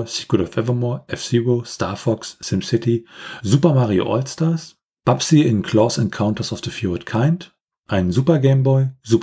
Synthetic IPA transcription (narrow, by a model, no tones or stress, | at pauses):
si̥t̚ɡ̥ʊɾɔfɛvɐmɔːɐʔɛfsiwostʰaɐfɔksːɪmsɪtizuːpɐmaʁio̰ʔɔlstaɐs | b̥apsiɪnkʰl̥ɔsɛ̃nkʰaʊ̃ntɐsɔfðəfjuɪdkʰaɪnt | ʔaɪnzuːpɐɡeɪmbɔɪzuːp